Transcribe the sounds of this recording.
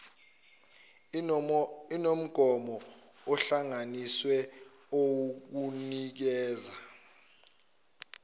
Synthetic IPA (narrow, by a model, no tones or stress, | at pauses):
inom̩ɡ̥ʱɔmɔɔɬaŋaniswɛowuk̬unik̬ɛːza